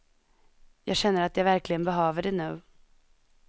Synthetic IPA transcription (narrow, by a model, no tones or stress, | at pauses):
jɑːɡɕɛnːəɾat̪javæɾklɪɡənbɛɦøːvəɖɛnʉ̟ː